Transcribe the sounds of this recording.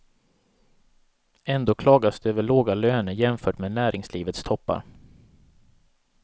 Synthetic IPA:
ɛnd̪oːkʰlɑːɡasd̪ɵøːvəɭoːɡaløːnəɾjɛmfœːʈmeːnæːɾʔɪŋsliːvət̪st̪ʰɔpːa̰ɾ

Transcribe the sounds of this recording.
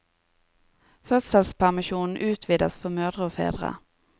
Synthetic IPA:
fœt̪salspʰæɾmɪɕuːnnʔʉ̟ːt̪ʰviːd̪asfœɾmœːd̪ɾəɔfḛːd̪ɾa̰

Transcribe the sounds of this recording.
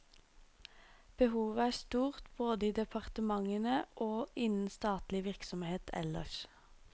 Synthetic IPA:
b̥əhuːʋəæːst̪uːʁt̪b̥oːd̪əiːd̪ɛpʰɑʁt̪əmɑŋənəʔoːʔɪnn̩st̪ɑːt̪lɪʋɪʁksɔmheːt̪ʰɛ̰lə̰ʃ

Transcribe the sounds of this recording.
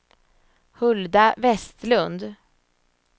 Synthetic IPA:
hɵld̪avɛst̪lɵnd̪

